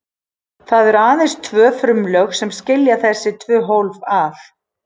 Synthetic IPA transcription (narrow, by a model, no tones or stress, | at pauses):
θaðɛɾaːðenst̪ʰvœːfɾʏmlœxsɛmscɪljaθɛsːɪt̪ʰvœːɦowlvaθ